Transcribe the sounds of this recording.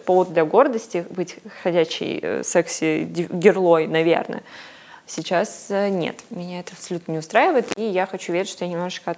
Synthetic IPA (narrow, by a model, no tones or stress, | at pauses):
povəd̪̚d̪lʲɐɡo̞rd̪əsʲtʲɪbɨtʲxɐdʲæɕːɪ̰j̰sɛksʲɪdʲɪɡʲɪrlˠo̞jnɐvʲe̞̰rnə̰ | sʲɪt͡ɕasnʲḛt̪mʲɪnʲaɛt̪əɐpsɐlʲut̪nənʲɪʊst̪ɾajɪvəjɪt̪ijaxɐt͡ɕuvʲeɾʲɪt̪ʲʃʂt̪ojanʲɪmno̞ʐɨt͡ɕkəɐt̪